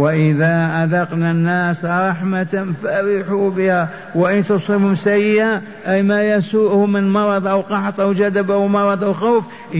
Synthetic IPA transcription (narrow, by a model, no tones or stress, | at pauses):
waʔɪðaʔad̪ɑqnanːæsɾˤɑħmat̪anfaɾɪħubəha | waʔənt̪ʊsˤiːbhʊmsajːɪʔa | ʔæjmajæsuʔhʊmənmɑɾˤɑd̪ˤʔawqɑħt̪ˤʔawd͡ʒæd̪abawmɑɾˤɑd̪ˤawxawf | ʔ